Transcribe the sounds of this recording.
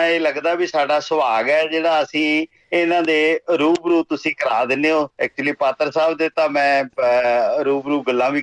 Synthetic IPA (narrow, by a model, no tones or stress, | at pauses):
eːləɡd̪aːbiːsaːɖaːsəʋaːɡɛːd͡ʒeːɽaːəsĩː | ɪnãːd̪eːɾuːbɾuːt̪ʊsĩːkəɾaːd̪ɪneːɦoːɪk̚t͡ʃʊliːpaːt̪əɾsaːbd̪eːt̪ãːmɛ̃ː | ɾuːbɾuːɡəlːãːʋiː